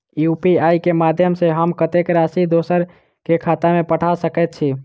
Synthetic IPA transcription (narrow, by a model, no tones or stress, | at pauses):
jupiajkemad̪ʱjəmseɦəmkət̪ekɾasid̪osəɾ | kekʰat̪amepəʈʰasəkɛt̪̚t͡ʃʰi